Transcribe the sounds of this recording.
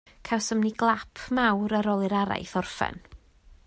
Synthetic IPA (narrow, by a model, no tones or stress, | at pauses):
kʰawsəmniɡlˠapʰmawɾəɾɔlˠɪɾaɾa̰jθɔrfɛ̰n